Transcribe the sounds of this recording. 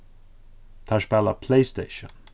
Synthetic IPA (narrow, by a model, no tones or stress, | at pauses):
t̪ʰaʃbaləpʰl̥eɪsteɪʃə̃n